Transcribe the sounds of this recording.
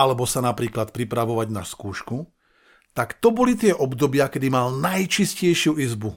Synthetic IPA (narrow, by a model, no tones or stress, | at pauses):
alɛbɔsanapɾiːklat̪̚pɾipɾaʋɔʋaɟnaskuːʃku | t̪akt̪ɔbɔlit̪ɪɛʔɔbd̪ɔbɪakɛd̪imalnajt͡ʃiscɛjʃɪuizbu